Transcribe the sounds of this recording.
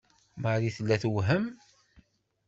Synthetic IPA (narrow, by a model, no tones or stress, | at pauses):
maɾiθəlːæθwɦəm